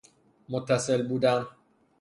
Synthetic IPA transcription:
mot̪ʰːæse̞lbuːd̪æn

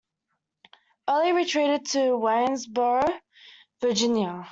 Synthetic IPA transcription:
ɜːlˠiɹitʰɹ̥iɾɪd̚tʰəwɛ̃nzbəɹ | və˞d͡ʒɪ̃njə

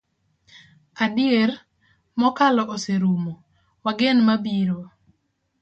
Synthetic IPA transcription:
adɪeɾ | mɔkalɔʔoseɾumo | waɡenmabiɾo

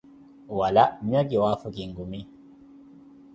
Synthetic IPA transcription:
walaʔmaɡiwafukiŋɡumi

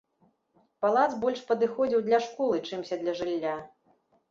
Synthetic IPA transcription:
palˠat̪sbɔlʲʂpɐd̪ɨxɔd͡zʲiwd̪lʲɐʂkɔlˠɨt͡ʂɨmsʲɐd̪lʲɐʐɨlʲːa

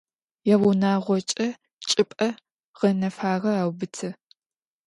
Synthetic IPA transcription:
jɛwunaːʁʷɔt͡ʃʼɐ | t͡ʃʼɪpʼɐ | ʁɐnɐfaːʁɐaːwbɨtʰɐ

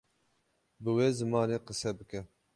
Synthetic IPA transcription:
bɨweːzɨmɑːneːqəsɛbɨkɛ

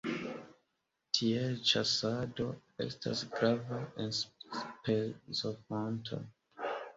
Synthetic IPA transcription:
tʰiet͡ʃasado̞e̞̰sta̰sɡɾavaʔensspezofantʰo̰

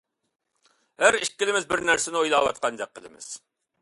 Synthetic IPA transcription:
hæɾiʃk̚ʲːɪlɪmɪzbɪɾnæɾsɪnɪojlˠɑːwɑ̰t̪̚qʰɑnd̪æq̚qʰːəlˠɨ̰mɪ̰z̥

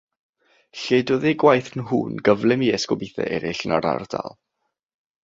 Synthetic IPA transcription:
ɬedɔðeɡwajθnɦṵːnɡəvlˠɪmiɛskɔbiθɛ̰ʔɛɾɪɬnaɾa̰rd̥a̰lˠ

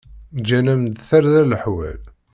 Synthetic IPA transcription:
d͡ʒænæmd̪θæɾðæləħwæ̰l

